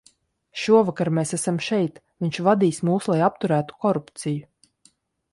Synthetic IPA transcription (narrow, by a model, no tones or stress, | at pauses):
ʃuɔvakaɾmeːsæsamʃɛjt̪ | vʲiɲʲt͡ʃvad̪iːsmuːslˠajapt̪uɾæːt̪u̥kɔɾupt̪siju